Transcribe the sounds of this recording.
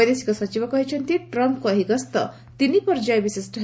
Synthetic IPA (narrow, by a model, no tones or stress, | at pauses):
jd̪esi̥kosʌt͡ʃibʌkʌɦit͡ʃʰʌnt̪iʈɾʌmp̚koːɦiɡʌst̪ʌ̰ | t̪inipʌɾd͡ʒajbisesʈʌɦ